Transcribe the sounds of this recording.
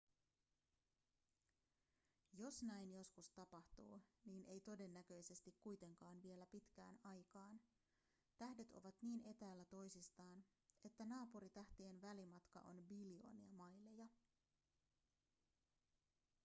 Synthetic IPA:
jo̞snæjnjo̞skust̪ɑpɑht̪ṵːniːnʔe̞jt̪o̞de̞nːæk̟ø̞jse̞st̪ikkujt̪e̞ŋkɑːnʋie̞læpit̪k̟æ̰ːnɑjkɑːn | t̪æhde̞t̪o̞̰ʋɑt̪niːne̞t̪æːlːæt̪o̞jsist̪ɑːn | e̞t̪ːænɑːpuɾit̪æht̪ienʋælimɑt̪kɑ̰ʔo̞̰nbilio̞̰ːniɑmɑjlejɑ

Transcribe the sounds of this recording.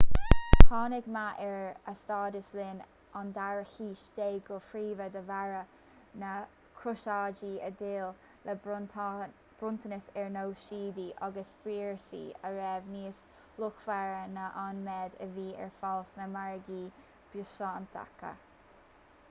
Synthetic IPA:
t̪ʰɑːnɪɡmaʔɛɹəst̪ɑːd̪əslɪn | and̪aɹəxiːʃd̪eːɡʊfɾiːvəd̪əvaɹə | nə | kʰɾʊʃɑːd͡ʒiːəd̪ɪːl | lə | b̥ɾʊnt̪ʰənəsɛɹnowʃiːd̪iʔɑɡəsb̥ɾiːɹsḭːəɹɛvniːs | lʊkfaɹənəʔanmɛd̪ə̰viːɛ̰ɹfalsnəmaɹəɡiː | b̥jʊʃɑːnt̪ʰa̰kə̰

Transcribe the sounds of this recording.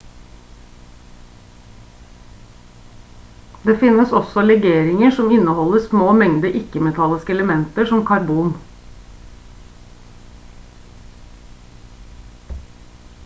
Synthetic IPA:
d̪eːfɪnəsɔsɔlɛɡeːɾɪŋəʂɔmɪnəhɔləsmoːmɛŋd̪əʔɪkəmɛt̪ʰɑləskəɛləmɛnt̪əʂɔmkʰɑɾbuːn

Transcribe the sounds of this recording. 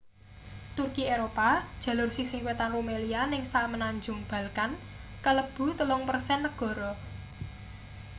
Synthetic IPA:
t̪urkieɾopad̥ʒ̥ä̤lʊrsisiŋwet̪anromelianɪŋsamənaɲd͡ʒʊ̤ŋb̥ä̤lkan | kələb̥ṳt̪əlɔŋpərsɛnːəɡ̥ɔ̤ɾɔ

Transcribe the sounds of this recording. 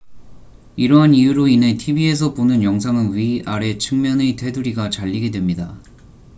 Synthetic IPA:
iɾʌɦanijuɾoine̞tʰibie̞s̬ʰʌponɯnjʌŋs̬ʰaŋɯnɥiaɾe̞t͡ɕʰɯŋmjʌnete̞duɾiɡat͡ɕaʎːiɡe̞dwe̞mɲida

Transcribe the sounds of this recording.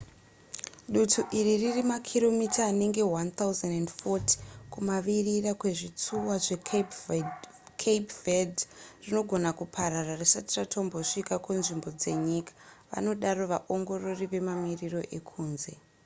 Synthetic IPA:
ɗutʰuʔiriririmakʰiɾo̞mitʰaːne̞ŋɡe̞want̪auzendendfotʰi̥kumaʋirirakwe̞ʐit͡suwaʐe | kʰepvedrino̞ɡʱo̞nakupʰaɾararisatiratʰo̞mboʂikakunʐimbo̞d͡ze̞ɲikḁʋa̰no̞ɗaɾo̞ʋaʔo̞ŋɡo̞ro̞riʋe̞mamiriro̞ʔe̞kʰuːnze̞

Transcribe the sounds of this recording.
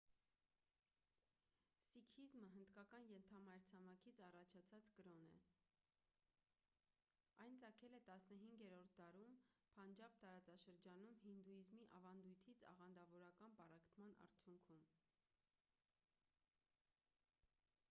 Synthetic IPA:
sikʰizməɦənd̪kɑkɑnjɛnt̪ʰɑmɑjɾt͡sʰɑmɑkʰit͡sʰɑrɑt͡ʃʰɑt͡sʰɑt͡sɡəɾɔnɛ̰ | ɑjnt͡sɑkʰɛlɛt̪ɑsnəɦiŋɡɛɾɔɾt̪̚ʰd̪ɑɾumpʰɑnd͡ʒɑp̚t̪ɑɾɑt͡sɑʃəɾd͡ʒɑnumɦind̪ujizmiʔɑ̰vɑnd̪ujt̪ʰit͡sʰɑ̰ʁɑnd̪ɑvɔɾɑkɑnpɑrɑkt̪ʰmɑnɑ̰ɾt͡sʰjuŋkʰum

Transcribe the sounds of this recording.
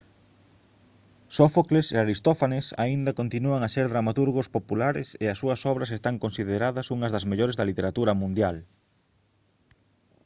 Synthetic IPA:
sofokleseaɾist̪ofanesa̰ind̪ɐkont̪inuaŋaseɾðɾamat̪uɾɣospopulaɾɪ̰seɐsːuɐsɔβ̞ɾɐsest̪aŋkonsiðeɾaðɐsuŋɐzðɐzmeʎoɾezðɐlit̪eɾat̪uɾɐmũnd̪jal

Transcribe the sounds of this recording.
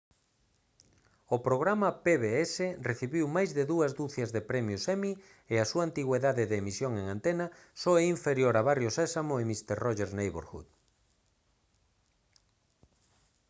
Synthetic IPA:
ʊpɾoɣɾamɐpeβeɛsereθiβiwmajzðeðuɐzd̪uθjazðepɾɛmjʊsɛmi | easuaːnt̪iɣweðaðɪðeːmisjoŋeŋant̪ena | soɛiɱfeɾjoɾaβarjosɛsamoɪmist̪eɾrɔʒeɾznejβo̰ɾxṵt̪

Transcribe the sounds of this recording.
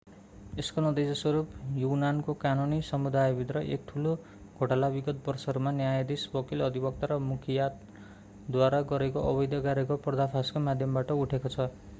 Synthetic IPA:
eskonʌd̪esʌswʌɾupjunankokanunisʌmud̪ajbʱit̪rʌʔḛk̚ʈʰulo | ɡʱoʈalabiɡʌt̪̚bʌrsʌɾumanjajed̪isbʌkilʌd̪ʱibʌk̚t̪aɾʌmukʰijat̪ | d̪waɾaɡʌɾekoʔʌbʌjd̪jʌɡaɾekoprʌd̪apʰaskomad̪ʱjʌmbaʈʌuʈʰekot͡sʰʌ

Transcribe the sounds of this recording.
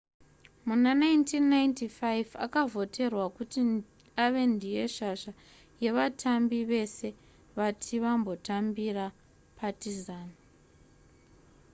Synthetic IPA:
munanajntinːajntifajva̰kavo̞tʰe̞rwakuti | aʋe̞ndʱije̞ʃaʐa | je̞ʋatʰambiʋe̞se̞ | ʋatʰiʋambo̞tambira | pʰatizaːn

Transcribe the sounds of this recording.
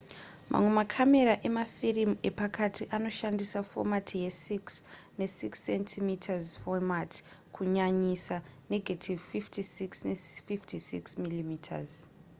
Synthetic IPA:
mʔa̰mwe̞makʰame̞ɾaʔe̞mafirime̞pakatʰiʔano̞ʃandisafo̞̰matʰije̞siksne̞siksentʰimitʰazfomati̥ | kʰuɲaɲisaneɡʱatʰivfiftʰisiksnesfiftʰisiksmilimitʰa̰z

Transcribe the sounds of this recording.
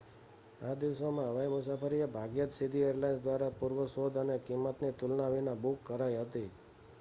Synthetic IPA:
ad̪iʋsomãɦəʋaimʊsafəɾiebʱaɡjət̪sid̪ʱieɾlajnsd̪ʋaɾapuɾʋəsod̪ənekimːət̪nit̪ʊlnaʋinabukːəɾaiɦət̪i

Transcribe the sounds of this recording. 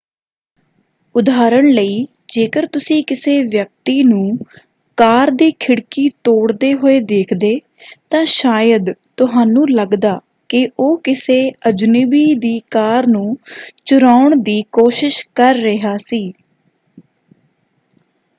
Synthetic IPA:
ʊd̪aːɾəɳləiːd͡ʒeːkəɾt̪ʊsĩːkɪseːʋjək̚t̪iːnũː | kaːɾd̪iːkʰɪɽkiːt̪oːɽd̪eːɦoːeːd̪eːkʰd̪eː | t̪ãːʃaːjəd̪t̪ʊɦaːnũːləɡd̪aː | kɪʔoːkɪseːəd͡ʒnɪbiːd̪iːkaːɾnũːt͡ʃʊɾaːʊɳd̪iːkoːʃɪʃkəɾːɪɦaːsiː

